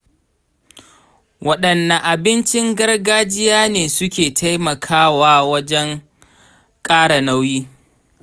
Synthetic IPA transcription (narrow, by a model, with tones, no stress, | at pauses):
wɐ˦ɗɐ˨nːɐ˨ʔa˨bɪ˦nt͡ʃɪ˦ŋɡɐ˦rɡaː˦d͡ʒɪ˦jaː˦neː˨sʊ˦kʲeː˨tʰa˦jmɐ˨kʰaː˦waː˦wɐ˦d͡ʒɛ˦ŋ | kʼaː˦ɽa˨na˦wjiː˦